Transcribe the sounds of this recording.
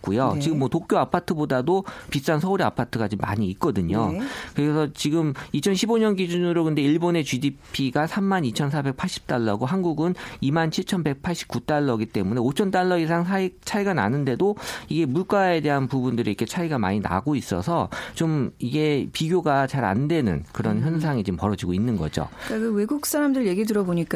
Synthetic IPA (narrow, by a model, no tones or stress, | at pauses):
k͈ujo̰t͡ɕiɡɯmːwʌtok̚k͈joapʰatʰɯbodadopis͈ansʰʌuɾia̰pʰatʰɯɡat͡ɕomːa̰ɲiːt̚k͈ʌdɯɲokɯɾe̞sʰʌt͡ɕiɡɯmit͡ɕʰʌnɕʰiboɲʌnɡid͡ʑunɯɾokɯnde̞iɭbone̞t͡ɕidipʰiɡasʰamːanit͡ɕʰʌnsʰabe̞k̚pʰaɭɕ͈i̥p̚t͈aɭːʌɡoɦanɡuɡɯnimant͡ɕʰiɭt͡ɕʰʌnbe̞k̚pʰaɭɕ͈i̥p̚k͈ut͈aɭːʌɡit͈e̞mune̞ot͡ɕʰʌnt̬͈aɭːʌis̬ʰaŋsʰait͡ɕʰaiɡana̰nɯnde̞doiɡe̞muɭk͈ae̞de̞ɦanpubundɯɾiikʰe̞t͡ɕʰaiɡama̰ɲina̰ɡois͈ʌ̰sʰʌt͡ɕomiɡe̞piɡjoɡat͡ɕaɾa̰ndwe̞nɯ̰nkɯɾʌnçjʌns̬ʰaŋit͡ɕimpʌɾʌd͡ʑiɡoinːɯnɡʌd͡ʑo̰kakɯwe̞ɡuk̚s͈aɾamdɯɾɯɭje̞ɡidɯɾʌboɲik͈a